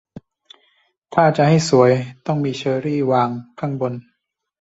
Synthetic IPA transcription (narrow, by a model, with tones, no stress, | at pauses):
t̪ʰaː˥˩t͡ɕa˨ha˥˩jsu˩˦əjt̪ɔ˥˩ŋmiː˧t͡ɕʰɤː˧ɾiː˥˩waː˧ŋkʰa˥˩ŋbo˧n